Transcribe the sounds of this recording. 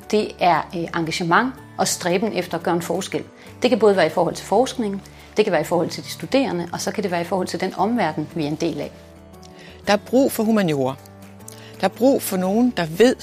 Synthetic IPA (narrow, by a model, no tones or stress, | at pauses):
d̥e̝æɐʔɑ̈ŋɡ̥æɕəmɑ̈ŋ̰ | ʔɒ̽sd̥ʁɛːb̥n̩efd̥ɐɒɡ̥ɶːɐenfɒːsɡ̥el̰ | d̥e̝kʰæbɔ̽ːðˠʋæːɐifɒːhɒ̽l̰t͡sʰe̝lfɒːsɡ̥ne̝ŋn̩ | d̥e̝kʰæʋæːɐifɒːhɒ̽l̰t͡sʰe̝ld̥i̥sd̥ud̥e̝̰ːɐnəʔɒ̽sɒ̽kʰæde̝ʋæːɐifɒːhɒl̰t͡sʰe̝ld̥enɒ̽mʋæɐd̥n̩ʋiæe̝nd̥e̝̰ːlæ | d̥ɑ̈æɐb̥ʁṵːfɒ̽ɦumænjo̝̰ɐ | d̥ɑ̈æɐb̥ʁṵːfɒ̽no̝ːn̩d̥ɑ̈ʋe̝ð̰ˠ